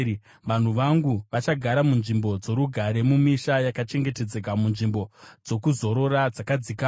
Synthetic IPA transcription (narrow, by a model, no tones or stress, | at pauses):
ʋan̤uʋaŋɡuʋat͡ʃaɡʱaɾamunʐimbo̞d͡zo̞ɾuɡʱaɾe̞mumiʃajakat͡ʃe̞ŋɡe̞te̞d͡zekamunʐimbo̞d͡zo̞kuzo̞ɾo̞ɾad͡zakad͡zika